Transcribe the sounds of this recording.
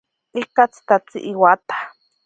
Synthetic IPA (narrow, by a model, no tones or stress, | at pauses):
ikat͡si̥t̪at͡sḭʔiwat̪ḁ